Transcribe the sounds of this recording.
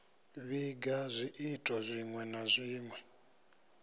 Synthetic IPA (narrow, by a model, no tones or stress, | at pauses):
βiɡazʷiʔitʼɔzʷiŋwɛnazʷiːmwɛ